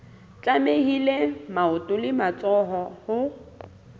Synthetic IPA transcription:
t͡ɬʼamehilemaʊtʼʊlɪmat͡sʼɔɦɔhʊ

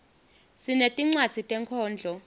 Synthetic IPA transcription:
sinetʼiŋ͡ǀwad̥d͡z̥ʱitʼɛŋkʰɔːnd͡ɮʱɔ

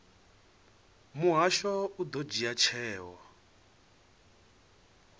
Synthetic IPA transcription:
muɦaʃɔud̪ɔd͡ʒiat͡ʃʰɛːwɔ

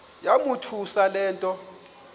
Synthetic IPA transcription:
jamutʰusalɛːntʼɔ

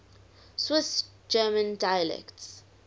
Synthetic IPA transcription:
swɪs | d͡ʒɜːmə̃ndajəlɛ̰kts

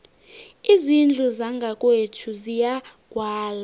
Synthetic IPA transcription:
izind͡ɮʱuzaŋɡʱakʼwetʰuzijaɡ̥ʱwaːla

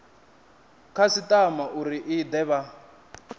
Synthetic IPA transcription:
kʰasitʼamaʔuɾiʔid̪ɛβa

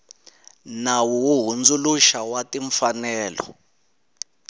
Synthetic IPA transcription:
nawuwuɦund͡zuluʃawatʼiɱfanɛːlɔ̰

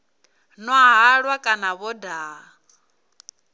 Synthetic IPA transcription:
nɔɦaɦaɺwakʼanaβɔda

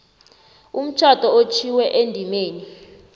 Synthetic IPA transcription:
um̩t͡ʃʰatʼɔot͡ʃʰiwɛʔendʱimeːni

